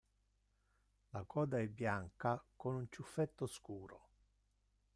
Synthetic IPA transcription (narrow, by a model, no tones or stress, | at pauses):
lakɔːd̪aɛbːjaŋkakonunt͡ʃufːɛt̪ːoskuːɾo̰